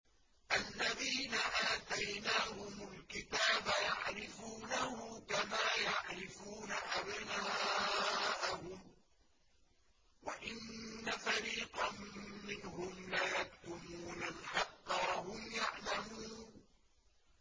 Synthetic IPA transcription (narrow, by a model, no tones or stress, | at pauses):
ʔalːaðiːnaʔaːt̪ajnaːhʊmʊlkɪt̪aːbajaʕɾɪfuːnahʊmkamaːjaʕɾɪfuːnaʔabna | ʔahʊm | wa̰ʔɪnːafaɾiːqɑːɪnhʊmlajakt̪ʊmuːnalħɑqːɑwahʊmjaʕlamuːn